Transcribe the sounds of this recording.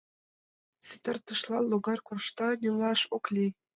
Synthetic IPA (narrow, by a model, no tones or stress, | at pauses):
sʲɘ̆t̪ɘ̆rt̪ɯʂlˠɑnlːˠuɡɑrkurʂt̪ɑnʲilˠɑʂuklʲi